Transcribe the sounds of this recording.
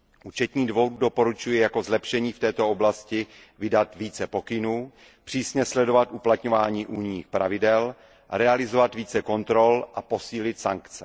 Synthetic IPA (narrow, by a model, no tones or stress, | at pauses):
ʔuːt͡ʃɛt̪ɲiːdvo̞ɾdo̞po̞ɾut͡ʃujɛjako̞zlɛpʃɛɲiːft̪ɛːt̪o̞oblascɪ | vɪdat̪viːt͡sɛpo̞kɪnuː | pr̥iːsɲɛslɛdo̞vat̪ʔuplat̪ɲo̞vaːɲiːʔuːɲɲiːxpɾa̰vɪdɛl | ɾɛalɪzo̞vat̪viːt͡sɛko̞nt̪ɾo̞lʔapo̞siːlɪt̪sa̰ŋkt͡sɛ